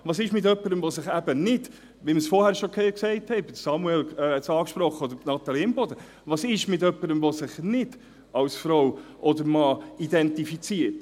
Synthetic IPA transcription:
ʋɑːsɪʃmɪt̪œpːəɾəmʋosɪχæbənɪd̥ | ʋiməsfɔɾhæːɾʃoksɛksɛɪthɛɪbɪdsɑmuɛlɛɛtsɑːkʃpɾɔχːəɔd̪əɾnɑt̪ɑliɪmbɔd̪ə | ʋɑːsɪʃmɪtœpːəɾəmvosɪχnɪd̥ | ɑwsfɾowʔɔd̪əɾmɑːid̪ɛntifit͡siət

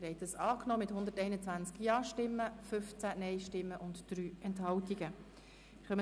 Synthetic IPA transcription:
ɾɛɪtəsɑːknɔːmɪthʊnd̪ətɛɪnət͡sʋænt͡skjɑːʃtɪmːəfʏft͡sænɛɪʃtɪmːəʔʊntd̥ɾyːɛnthɑltiɡə | χœmə

